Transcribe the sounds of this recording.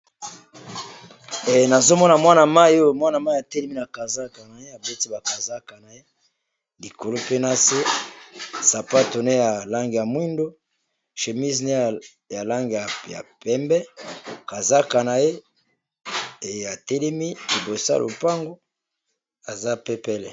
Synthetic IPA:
ɛ˨na˨zo˦mɔ˦na˨mwa˦na˨ma˦o˦˨mwa˦na˨ma˦ja˨tɛ˦lɛ˦mi˦na˨ka˨za˦ka˨na˨je˦a˨be˦ti˦ba˨ka˨za˦ka˨na˨je˦ | li˨ko˨lo˦pe˦na˦se˦ | sa˨pa˦to˨ne˦ja˨la˦ŋɡe˨ja˨mwi˦ndo˦ | ʃe˨mi˦zne˦˨ | ja˨la˦ŋɡe˨ja˨ja̰˨pɛ˦mbɛ˦ka˨za˦ka˨na˨je˦˨ | a˨tɛ˦lɛ˦mi˦li˨bo˨sa̰˦lʔo̰˨pa˦ŋɡo˦ | a˨za˦pe˦pɛ˦lɛ˨

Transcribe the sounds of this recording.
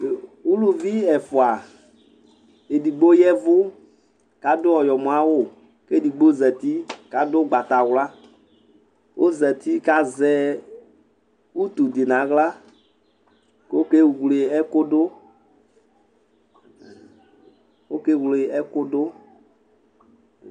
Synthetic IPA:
u˦lu˨vi˦ɛ˨fo˨a˨ | e˨di˨ɡ͡bo˦jɛ˦vʊ˦ | ka˨dʊ˦ɔ˨jɔ˨mõ˨a˦wo˦˨ | ke˦˨di˨ɡ͡bo˦zɛ˨t̪i˦ka˨dʊ˦ɡ͡ba˨t̪a˨wla˦ | wʔo˦zɛ˨t̪i˦ka˨zɛ˦ | u˦t̪u˨d̪i˨nã˨˦ɣla˦ | ko˦ke˦wwle˨ɛ˦kʊ˦do˦ | wo˦ke˦wle˨ɛ˦kʊ˦dʊ˦

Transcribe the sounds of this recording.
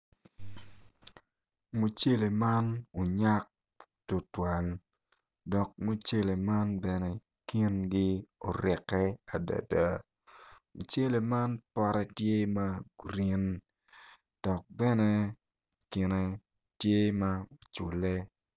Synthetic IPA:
mo˨t͡ʃe˦le˨ma˦no˨ɲa˦k̚ | to˨twa˨l | dɔ˨k̚mo˦t͡ʃe˦le˨ma˦nbɛ˨nɛ | ki˦nɡi˦o̰˨ɾɪ˨kːɛ˦a˨da̰˨da˨ | mo˨t͡ʃe˦le˨ma˦npɔ˦ɾɛ˦tje˦ma˦ɡɾi˦n | d̥ɔ˨k̚bɛ˦nɛ˦ | kɪ˨ne˨ | tje˦mao˨t͡ʃu˨le˦

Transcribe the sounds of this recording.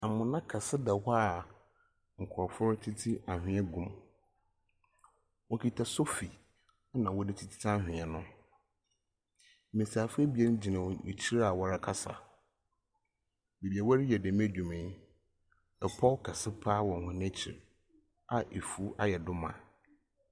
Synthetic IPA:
a˨mʊ̃˨nã˦kʰa˨sɪ˦dɛ˨hɔ˦˨ | ŋ̩˨kʰɔ˨fʊ˦ɾʊ˦tʰi˦tʰi˦a˨hɪ̃˦ɛ˦ɡũ˦m | wɔ˦kʰi˨tʰa˨so˦fi˨˦ | nã˨wɔ˦dɪ˦tʰi˦tʰi̥˦tʰã˦hᶣɪ̃˨ɛ˨nʊ̃˦˨ | mĩ˨sa˨fe˦bi˨ɛ˦n˦d͡ʑi˨nã̰˨t͡ɕʰi˦ɾa˨wɔ˨ɾa˦kʰa˦sa̰˨ | be˨bi˨ɛ˨wa˦ɾɪ˦jɛ˨dɪ˨˦me˦dᶣũ˨mɪ̃˨˦ | ɛ˨pʰɔ˦kʰa˨sɪ˦pʰaː˦wɔ̃˨ŋ˨hʊ̃˨nẽ˦t͡ɕʰḭ˨ɾ | a˨ʔe˨fu˦a˦jɛ˨dʊ˦mã̰˨

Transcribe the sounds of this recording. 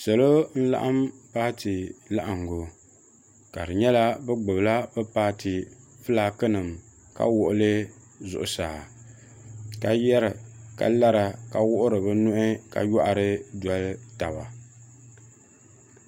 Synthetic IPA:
sɔ˨lo˦n̩˦la̰˦ʔa˦mpaː˦tɪ˨la˦ʔa˨ŋ˨ɡo˨ | ka̰˨ɾɨ˨ɲɛ˦la˦bɛ˦ɡ͡bɨ˨bla˦bɛ˦paː˦tɪ˨ | fɨ˦laː˨˦kɨ˦nɨ˨m | ka̰˦wʊ˨ʔʊ˦lɨ˦ | zʊ̰˨ʔʊ˨saː˨ | ka˨jɛ˦ɾɨ˨ka̰˨la˦ɾa˨ka˨wʊ˦ʔʊ˦ɾɨ˨bɨ˦nʊ˦ʔɪ˦ka̰˨jɔ˦ʔa˨ɾɨ˦dwa˨lta˨ba̰˨

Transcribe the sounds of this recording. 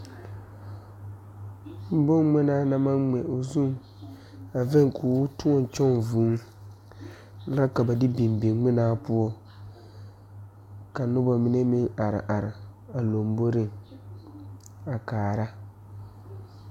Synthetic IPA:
m̩˦bo˦ŋŋ͡mɪ˦naː˦na˦ma˦ŋ͡mɛ˨ʔo˨zu˦˨ŋ | a˨vɛ˦ŋkʰuː˨˦tu˦ɔ˦n˨t͡ʃɔ˦ŋvuː˨˦ | la˦ka˨ba˨dɪ˦bi˨m˨bi˨ŋŋ͡mɪ˦naː˦pʊ˦ɔ˦ | ka˨nʊ˦ba˨mɪ˦ne˦mɪ˦ŋa˨ɾɪ̰˨ʔa˨ɾɪ˨ | a˨lo˨m˦bo˦ɾɪ˦ŋ | a˨kaː˨ɾa˦

